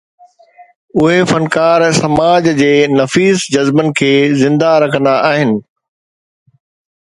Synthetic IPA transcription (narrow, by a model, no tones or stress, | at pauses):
ʊɦefɐnkaːɾsɐmaːd͡ʑd͡ʑeːnɐfiːzd͡ʑɐzbənɪ̆kʰeːzɪ̃nd̪aɾɐkʰə̃nd̪aʔaːɦɪnɪ̆